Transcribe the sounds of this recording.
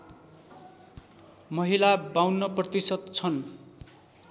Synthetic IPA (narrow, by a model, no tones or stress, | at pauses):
mʌɦilabawnːʌprʌt̪isʌd̪t͡sʰʌn